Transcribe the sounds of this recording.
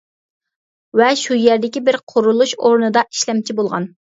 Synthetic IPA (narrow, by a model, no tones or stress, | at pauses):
vɛʃujæɾd̪ɪkʲibɪɾqʰʊɾulˠuʃoɾnɨd̪ɑʔi̥ʃlɛmt͡ʃʰibolˠʁɑ̰n